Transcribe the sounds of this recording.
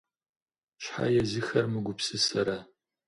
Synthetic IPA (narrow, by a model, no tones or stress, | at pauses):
ʃħa̰jɛzɨxɐrmɨɡʷʊpsɨsɐɾa